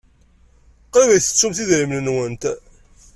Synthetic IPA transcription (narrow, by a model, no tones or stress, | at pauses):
qɾivæjθə̥t͡sːumθiðɾimnənwənt̪